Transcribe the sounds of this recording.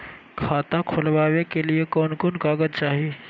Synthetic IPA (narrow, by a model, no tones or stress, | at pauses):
kʰaːt̪ãkʰolʋaːʋekeliekɔːnkonkaːɡəd̪t͡ʃaːɦi